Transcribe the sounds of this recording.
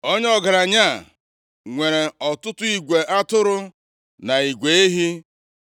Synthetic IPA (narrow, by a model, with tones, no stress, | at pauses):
o˦ɲ˦ɔ˦ɡa˨ɾa˨ɲa˦˨ | ŋʷe˨ɾe˨ɔ˨tʊ˦tʊ˦i˨ɡʷe˨ʔa˦tʊ˦ɾʊ˦ | na˨i˨ɡʷe˨˦e˦ɦi˦